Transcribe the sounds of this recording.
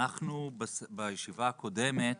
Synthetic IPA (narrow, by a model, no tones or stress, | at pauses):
aχnubsbajeʃivaːko̞de̞me̞t